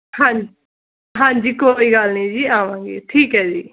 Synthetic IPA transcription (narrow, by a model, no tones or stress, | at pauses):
hãːd͡ʒ | ɦãːɲd͡ʒiːkoiːɡəlnĩːd͡ʒiːaːʋãːŋɡḛːʈʰiːkɦɛːd͡ʒiː